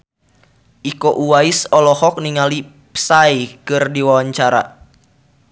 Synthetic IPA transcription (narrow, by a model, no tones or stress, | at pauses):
ʔikoʔuwaisɔlɔhɔk̚niŋali | psaikɨrdiwawaɲt͡ʃaɾa̰